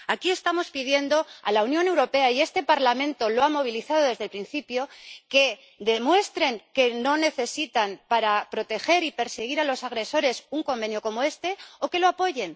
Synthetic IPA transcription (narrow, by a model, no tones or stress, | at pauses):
akie̞st̪amo̞spiðje̞nd̪o̞a̰launjo̞ne̞wɾo̞pe̞aie̞st̪e̞paɾlamẽnt̪o̞loamo̞β̞iliθað̞o̞ðe̞zðe̞lpɾinθipjo̞ke̞ | d̪e̞mwe̞st̪ɾe̞ŋke̞no̞ne̞θe̞sit̪anpaɾapɾo̞t̪e̞xe̞ɾipe̞ɾseɣ̞iɾalo̞saɣɾe̞so̞ɾe̞suŋko̞mbe̞njo̞ko̞mo̞e̞st̪e̞o̞ke̞lo̞apo̞ʝe̞n